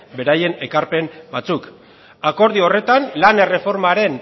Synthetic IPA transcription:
be̞ɾaje̞ne̞kaɾpe̞mbat͡suk | ako̞ɾðio̞re̞t̪anlane̞re̞fo̞ɾmaɾe̞n

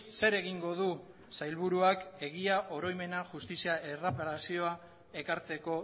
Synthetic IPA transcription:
se̞ɾe̞ɣiŋɡo̞ð̞u | sajlβuɾuake̞ɣiaʔo̞ɾo̞jme̞naʝust̪isiaʔe̞rapaɾasio̞a | e̞kaɾt͡se̞ko̞

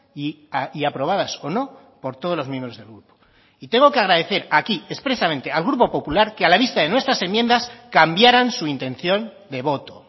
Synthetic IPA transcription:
i | aiapɾo̞β̞aðaso̞no̞ | po̞ɾt̪o̞ð̞o̞zlo̞zmje̞mbɾo̞zðe̞lɣɾupo̥ | it̪e̞ŋɡo̞keaɣɾaðe̞θe̞ɾakiespɾe̞sament̪e̞alɣɾupo̞po̞pulaɾkealaβist̪aðe̞nwe̞st̪ɾase̞mje̞nd̪askambjaɾansuint̪ẽ̞nθjo̞n | d̪e̞β̞o̞t̪o̞

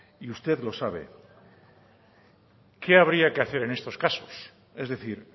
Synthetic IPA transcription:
iust̪e̞ðlo̞saβ̞e̞̰ | ke̞aβ̞ɾiake̞aθe̞ɾe̞nest̪o̞skasos | e̞zðe̞θiɾ

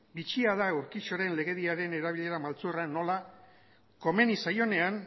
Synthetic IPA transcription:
bit͡ʃiaðaewɾkit͡ʃo̞ɾe̞nle̞ɣe̞ðiaɾe̞ne̞ɾaβiʎe̞ɾamalt͡surano̞la | ko̞me̞nisajo̞ne̞an

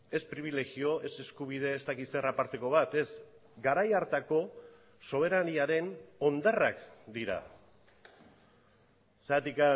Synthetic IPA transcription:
e̞spɾiβ̞ile̞ɣio̞ʔe̞se̞skuβ̞ið̞e̞ːst̪akit̪serapaɾt̪e̞ko̞βat̪e̞s | ɡaɾajaɾt̪ako̞ | so̞β̞e̞ɾaniaɾe̞no̞nd̪arakd̪iɾa̰ | sat̪ika

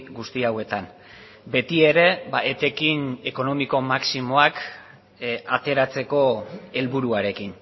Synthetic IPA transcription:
ɡust̪iawe̞t̪an | be̞t̪ie̞ɾe̞baʔet̪e̞kine̞ko̞no̞miko̞maksimo̞ak | at̪e̞ɾat͡se̞ko̞e̞lβuɾuaɾe̞kin

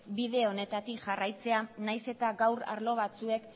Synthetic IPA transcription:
biðe̞o̞ne̞t̪at̪ikʝarajt͡se̞anajse̞t̪aɡawɾa̰ɾlo̞β̞at͡sue̞k

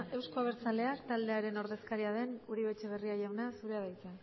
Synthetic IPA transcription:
ʔe̞wsko̞aβ̞e̞ɾt͡sale̞akt̪ald̪e̞aɾe̞no̞ɾðe̞skaɾiað̞e̞nuɾiβe̞t͡ʃe̞β̞e̞riaʝawnasuɾeaðajt͡se

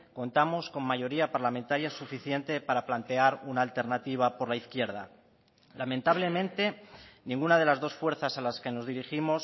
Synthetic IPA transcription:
ko̞nt̪amo̞sko̞mmaʝo̞ɾiapaɾlament̪aɾjasufiθje̞nt̪e̞paɾaplant̪e̞aɾunaːlt̪e̞ɾnat̪iβ̞apo̞ɾlaiθkjeɾð̞a̰ | lament̪aβ̞le̞mẽ̞nt̪e̞nĩŋɡunað̞e̞lazðo̞sfwe̞ɾθasalaske̞no̞zðiɾiximo̞s

